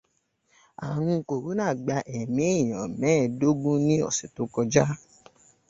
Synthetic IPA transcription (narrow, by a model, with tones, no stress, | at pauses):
a˨ɾ̃ũ˧˦ko˨ɾu˨˦nãː˦˨ɡ͡ba˧ʔɛ˨mĩ˨˦e˦˨j̃ã˨mɛ̃˨˦˨do˦ɡũ˦nĩ˦ɔ̰˦˨se˨to˨˦kɔ˧d͡ʒa˦